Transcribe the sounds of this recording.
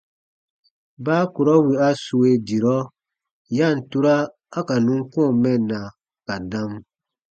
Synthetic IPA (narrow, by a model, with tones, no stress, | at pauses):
baː˦ku˨ɾɔ˦wi˨a˦su˨we˦di˨ɾɔ˦ | ja˦˨n̩˨tu˦ɾa˦ | a˦ka˨nũ˦ŋ˦kɔ̃ː˦˨mɛ˦˨nːa˨ | ka˨dã˦m